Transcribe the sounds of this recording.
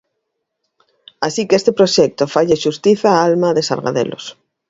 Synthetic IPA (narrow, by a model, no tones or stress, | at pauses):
asikeest̪epɾoʃɛk̚t̪ofaʎeʃust̪iθaalmaðesa̰lɣa̰ðḛlʔo̰s